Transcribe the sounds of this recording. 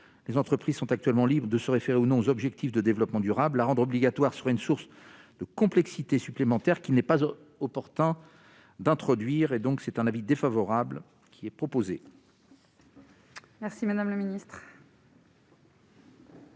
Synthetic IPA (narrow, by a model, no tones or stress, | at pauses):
lezɑ̃t̪χəpχiz̥sɔ̃t̪ak̚t̪ɥɛlmɑ̃libʁd̪əsəʁefeʁeunɔ̃ozɔbʒɛk̚t̪ifd̪əd̪evlɔpmɑ̃d̪yʁabllaʁɑ̃d̪ʁɔbliɡat̪waʁsəʁaynsuʁs | d̪̥əkɔ̃plɛksit̪esyplemɑ̃t̪ɛʁkʲilnɛpaz | ɔpɔʁt̪ɛ̃ | d̪ɛ̃t̪χɔd̪ɥiʁed̪ɔ̃ksɛt̪ɛ̃navid̪efavɔʁabl | kʲʰiɛpχɔpoze | mɛʁsimad̪amləminist̪χ